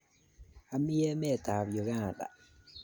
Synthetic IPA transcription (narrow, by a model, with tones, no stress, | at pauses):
a˨mi˦ɛ˦mɛ˦˨t̪aː˨βjo˨ɣaː˨da̰˨